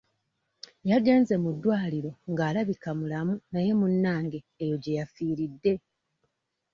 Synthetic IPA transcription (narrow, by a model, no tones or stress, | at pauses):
jaɡe̞ːnze̞mudːwaːliɾo̞ŋɡaːlaβikamulamunaje̞munːaːŋɡe̞ːjo̞ɟe̞jafiːɾidːe̞